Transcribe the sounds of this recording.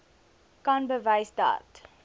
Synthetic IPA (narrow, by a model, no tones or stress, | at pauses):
kɐnbəvəjsdɐ̰t